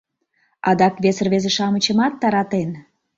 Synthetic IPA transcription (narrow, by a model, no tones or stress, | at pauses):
ɑ̰d̪ɑkβesərβezeʃɑmət͡ɕəmɑt̪ːɑɾɑt̪en